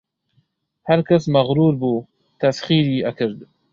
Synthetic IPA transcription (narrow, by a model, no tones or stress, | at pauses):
haɾkasmɐɣɾuːɾbuː | t̪ɐsxiːɾiːʔakɨɾd̪